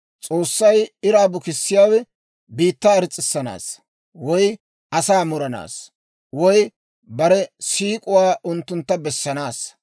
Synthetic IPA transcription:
t͡sʼo̞ːsːɐjɪɾaːbʊkɪsːɪjaːwɛ | biːt̪ːaɐɾɪt͡sʼːɪsːɐna̰ːs | wɔj | ʔɐsaːmʊɾɐna̰ːs | wɔj | bɐɾɛsiːkʼʊwaːʔʊnt̪ːʊnt̪ːɐbɛsːɐnaːs

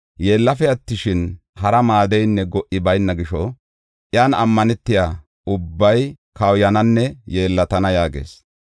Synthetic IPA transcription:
je̞ːlːɐfɛɐt̪ːɪʃɪn | hɐɾɐmaːd̪ɛjnːɛɡɔʔːɪbɐjnːɐɡɪʃɔ | ʔjaːnɐmːɐnɛt̪ːɪjaː | ʊbːɐj | kɐwjɐnɐnːɛje̞ːlːɐt̪ɐnɐjaːɡḛːs

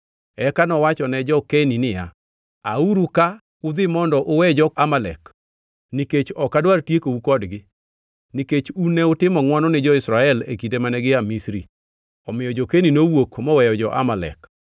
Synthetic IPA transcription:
ɛkanɔwat͡ʃɔnɛd͡ʒɔkeninɪja | auɾuka | ʊd̪ɪmɔndɔʔʊwɛd͡ʒɔamalɛk | niket͡ʃɔkadwartjekoukɔdɡɪ | niket͡ʃunɛʊtɪmɔŋwanɔnɪd͡ʒɔɪsɾaɛlḛkidemanɛɡɪamisɾi | ɔmɪjɔd͡ʒɔkeninowokmɔwɛjɔd͡ʒɔʔa̰malɛ̰k

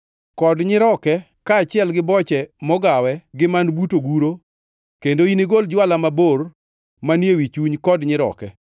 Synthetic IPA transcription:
kɔdɲɪɾɔkɛ | kaːt͡ʃɪɛlɡɪbɔt͡ʃɛmɔɡawɛɡɪmanbutoɡuɾo | kendoiniɡold͡ʒwalamabor | manjewit͡ʃuɲkɔdɲɪɾɔ̰kɛ

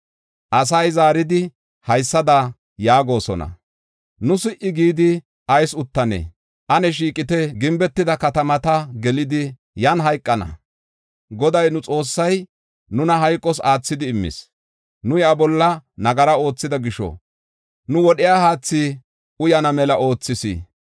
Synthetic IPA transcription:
ʔɐs̬ɐjzaːɾɪd̪ɪ | hɐjsːɐd̪ɐ | jaːɡo̞ːsɔ̰nɐ̰ | nʊsɪʔɪɡiːd̪ɪ | ʔɐjsʊt̪ːɐnḛː | ʔɐnɛʃ̬iːkʼɪt̪ɛɡɪmbɛt̪ːɪd̪ɐkɐt̪ɐmɐt̪ɐɡɛlɪd̪ɪ | jɐnɦɐjkʼːɐnɐ̰ | ɡɔd̪ɐjnʊt͡sʼo̞ːsːɐj | nʊnɐɦɐjkʼːɔs̬aːt͡sːɪd̪ɪːmːɪ̰s | nʊjabɔlːɐnɐɡɐɾɐo̞ːt͡sːɪd̪ɐɡɪʃɔ̰ | nʊwɔɗɪjaːhaːt͡sːi | ʊjɐnɐmɛlɐʔo̞ːt͡sːɪsḭː

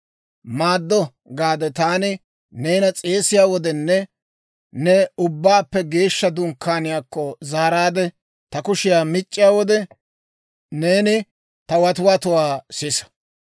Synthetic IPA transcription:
maːd̪ːɔ | ɡaːd̪ɛt̪aːnɪ | ne̞ːnɐt͡sʼe̞ːsɪjaːwɔd̪ɛnːɛ | nɛʊbːaːpːɛɡe̞ːʃːɐd̪ʊŋkːaːnɪjaːkːɔzaːɾaːd̪ɛ | t̪ɐkʊʃɪjaːmɪt͡ʃʼːɪjaːwɔd̪ɛ | ne̞ːnɪ | t̪ɐwɐt̪ʊwaːt̪ʊwaːsɪsɐ̥

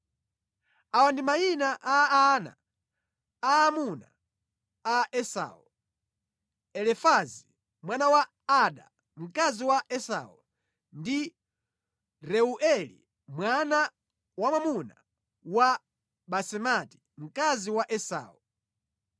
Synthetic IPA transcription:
awandimainaʔaːna̰ | aːmuna | aɛsa̰ːu | ɛlɛfazi | mwanawaː | ɗa̰ | m̩kaziwaʔɛsa̰u | ndi | ɾɛuʔɛlḭ | mwana | wamwamuna | wa | ɓasɛmati̥ | m̩kaziwaʔɛsa̰ːu

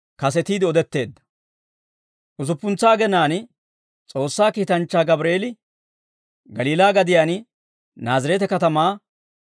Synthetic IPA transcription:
kɐsɛt̪iːd̪ɪɔd̪ɛt̪ːe̞ːd̪ːɐ̥ | ʔʊzʊpːʊnt͡sːaːɡɛnaːn | t͡sʼo̞ːsːaːkiːt̪ɐnt͡ʃːaːɡɐbɾe̞ːlɪ | ɡɐliːlaːɡɐd̪ɪjaːn | naːzɪɾɛːt̪ɛkɐt̪ɐmaː

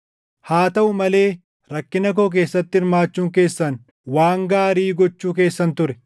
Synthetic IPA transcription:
haːt̪ɐʔʊmɐle̞ː | ɾɐkːɪnɐk̬o̞ːk̬e̞ːsːɐt̪ːɪɪɾmaːt͡ʃːuːŋke̞ːsːɐn | waːŋɡaːɾiːɡɔt͡ʃːuːk̬e̞ːsːɐnt̪ʊɾɛ

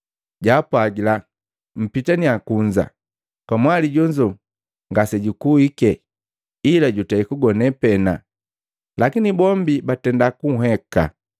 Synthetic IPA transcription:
ɟaːpwaɡila | m̩pitaniakuɲd͡ʒa̰ | kwamwaliɟɔɲd͡ʒɔ | ŋɡasɛɟukuikɛ | ilaɟutaikuɡɔnɛpɛna | lakinibɔmbibatɛndakuɦɛka̰

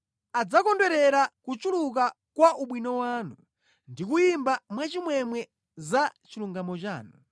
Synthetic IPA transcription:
ad͡zakɔndwɛɾɛɾakut͡ʃuluk̬a | kwaʔuɓwinɔwaːnu | ndikujimbamwat͡ʃimwɛmwɛ | zat͡ʃiluŋɡamɔt͡ʃa̰ːnu

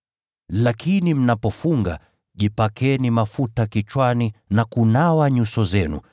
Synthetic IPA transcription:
lakʰinim̩napɔfuŋɡa̰ | ʄipakʰɛnimafutakit͡ʃwaninakunawaɲusɔzɛnṵ

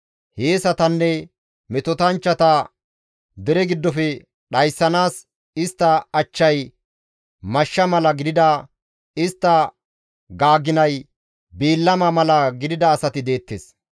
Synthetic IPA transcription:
heːsɐt̪ɐnːɛ | mɛt̪ɔt̪ɐnt͡ʃːɐt̪ɐ | d̪ɛɾɛɡɪd̪ːɔfɛ | ɗɐjsːɐnaːs | ɪst̪ːɐɐt͡ʃːɐj | mɐʃːɐmɐlɐɡɪd̪ɪd̪a | ɪst̪ːɐ | ɡaːɡːɪnɐj | biːlːɐmɐmɐlɐɡɪd̪ɪd̪ɐːsɐt̪ɪd̪e̞ːt̪ːḛːs

